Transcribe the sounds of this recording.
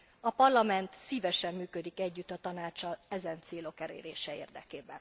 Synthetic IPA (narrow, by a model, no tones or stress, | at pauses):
ɒpɒrlɒmɛnt̪siːvɛʃɛmːyːkød̪ikɛɟːyt̪ːɒt̪ɒnaːt͡ʃːɒlɛzɛnt̪seːlo̞kɛlḛːɾeːʃɛḛːrd̪ɛ̰keːbɛ̰n